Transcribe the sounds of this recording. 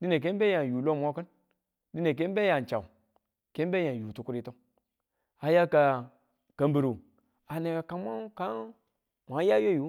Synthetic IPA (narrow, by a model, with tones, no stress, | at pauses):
di˦ne˨k̬e˦m˦be˦ja˨nju˨lo˦˨mʷ˦o˦kɨ˦n | di˦ne˨k̬e˦be˦ja˨n˨t͡ʃa̰˨ | ke˦m˦be˦ja˨nju˨tu˦ku˦ɾi˦to˦ŋ | a˨ja˦ka˨ | ka˨mbi˨ɾu˨ | a˨ne˨ka˨ka˨˦mʷa˦ka˦ | mʷ˨a˨˦ja˦jo˦ju˨˦